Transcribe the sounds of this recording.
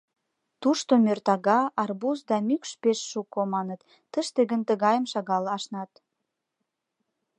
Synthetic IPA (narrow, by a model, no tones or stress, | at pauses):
t̪uʃt̪omʲørt̪ɑɣɑɑrbusd̪ɑmykʃpeʃːukːomɑnə̆t̪ː | əʃt̪əɡə̆nt̪ə̆ɣɑjəmʃɑɣɑlɑʃnɑt̪